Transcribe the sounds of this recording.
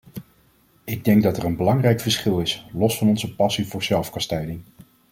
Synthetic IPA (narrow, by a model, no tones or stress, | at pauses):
ɪɡ̚dɛŋɡ̚dɑtɛɹənbəlɑŋrɛjkfəɹsχɪlˠɪslɔsfɑnɔnzəpɑsivʊːɹzɛlˠfkɑstɛjdɪŋ